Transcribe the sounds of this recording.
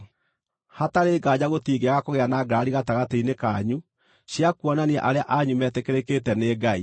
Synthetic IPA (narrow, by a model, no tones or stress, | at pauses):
hataɾeːɡad͡ʑaɣotiːɡeaɣakoɣeanaːɡɾaɾiɣataɣateinekaɲu | ɕiakuɔnaniɛ̰ʔaɾeaʔaɲumɛtekeɾeketɛneɡai